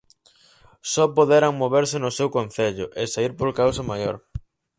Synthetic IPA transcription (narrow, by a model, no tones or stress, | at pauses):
sɔpoðeɾaŋmoβeɾsɪnʊsewkonθeʎʊʔɪsaiɾpolkawsamajoɾ